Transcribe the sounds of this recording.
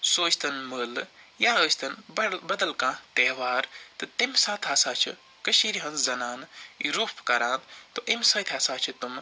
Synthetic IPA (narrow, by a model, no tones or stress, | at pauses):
soːt͡ʃʰt̪ɐnməljaːəːt͡ʃʰt̪ɐnbɐd̪ɐlkãːt̪eːʋaːɾt̪ɨt̪imʲsãːt̪ʰaːsaːt͡ʃʰḭ | kɐʃiːɾiɦɐ̃nzɐnaːnḭɾuːpʰkɐɾãːnt̪t̪oʔimʲsɐːt̪ʰʲaːsaːt͡ʃʰɨt̪um